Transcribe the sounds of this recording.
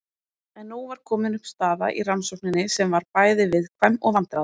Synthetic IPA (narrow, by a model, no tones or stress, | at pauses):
ɛnːuvaɾ̥kʰɔːmɪnʏhpst̪aːða̰ʔḭransɔwknɪnɪsɛmvaɾpaːjðɪvɪðkʰvɛmːɔɣvant̪ɾað